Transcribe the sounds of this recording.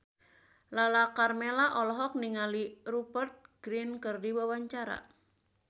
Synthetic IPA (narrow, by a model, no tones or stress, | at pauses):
lalakarmelaʔɔlɔɦɔk̚niŋalirupərt̪̚ɡ̥ɾinkərdiwawaɲt͡ʃaɾa̰